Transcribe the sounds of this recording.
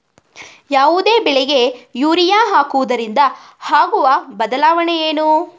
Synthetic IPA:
jaːʋud̪e̞ːbɛɭɛɡe̞juːɾijaːɦaːkuʋud̪ɐɾind̪ɐ | haːɡuʋɐbɐd̪ɐlaːʋɐɳejeːnu

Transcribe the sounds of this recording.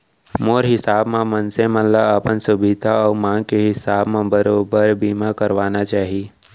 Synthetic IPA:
moːɾɦɪsaːbmẽmənsẽmət̪ləbɐpənsʊbɪd̪ʱaɔːɾmãːŋɡkeɦɪsaːbmẽbəɾoːbəɾbiːmakɐɾʋaːnat͡ʃaːɦie

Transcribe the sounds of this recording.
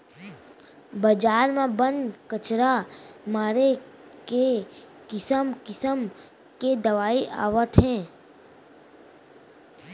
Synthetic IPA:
bəd͡ʒaːɾmẽbənkət͡ʃɾamaːɾeke | kɪsəmkɪsəm | ked̪ɐʋaːiʔa̰ːʋət̪ɦɛ̃ː

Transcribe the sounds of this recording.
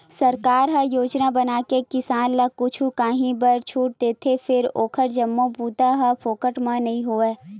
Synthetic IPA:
sɐɾkaːɾɦɐjoːd͡ʒnabɐnaːkekɪsaːnlakʊt͡ʃʰukaːɦĩbəɾt͡ʃʰuːʈ̚d̪eːt̪ʰefɪɾoːkʰəʈd͡ʒɐmːõpuːt̪aɦɐpʰoːkəʈmãnɐɦĩɦoːɛː

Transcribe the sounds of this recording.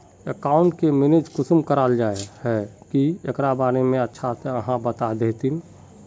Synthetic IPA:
əkaːʊɳʈkemɪned͡ʒkʊsmkəɾaːld͡ʒaːehɛkiekɾabaːnemẽətːʃʰat̪eəɦãbət̪ad̪eːt̪in

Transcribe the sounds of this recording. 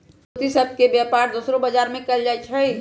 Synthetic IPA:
put̪isəb̚ʱkebjaːpaːɾd̪uːsɾõbɐd͡ʒaːɾmẽkɐld͡ʒat͡ʃʰɛi

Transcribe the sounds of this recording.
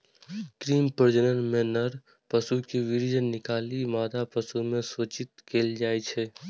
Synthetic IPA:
kɾiːmpəɾd͡ʒənənmẽnɐɾ | pəsukiʋɪɾd͡ʒənɪkaːlimaːd̪apəsumẽsoːt͡ʃɪt̪keːld͡ʒaːet͡ʃʰe

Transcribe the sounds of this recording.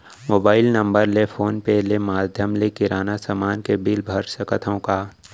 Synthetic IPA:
moːbaːɪlnɐ̃mbəɾlefʰoːnpelemaːd̪ʱjəmlekɪɾaːnasamaːnkebɪlbʱəɾsəkət̪ʰõkaː

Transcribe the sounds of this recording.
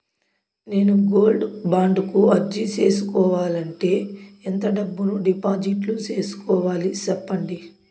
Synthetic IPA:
ne̞ːnuɡo̞ːlɖbaːɳɖkuɐɾd͡ʒit͡ʃe̞ːsukɔːʋaːlɐɳʈe̞ːint̪ɐɖɐbːunuɖipaːd͡ʒiʈlut͡ʃe̞ːsu̥kɔːʋaːlit͡ʃɛpːɐɳɖi

